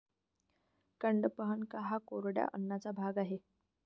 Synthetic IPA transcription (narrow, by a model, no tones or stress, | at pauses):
kəɳɖəpəɦənkaɦakoɾɽja̰ʔənːat͡sabʱaɡaɦe